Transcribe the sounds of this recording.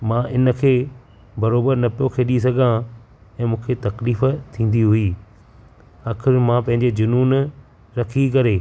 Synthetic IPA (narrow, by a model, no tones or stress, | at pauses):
mãʔɪnə̆kʰeː | bɐɾoːbəɾnɐpijokʰeːɗĩs̬ɐɡʱã | ɛ̃ːmũːkʰet̪ɐkliːft̪ʰĩːn̆d̪iɦʊiː | aːkʰɪɾmãpɐ̃ɦɪ̃ɲd͡ʑed͡ʑʊnuːn | ɾɐkʰikɐɾeː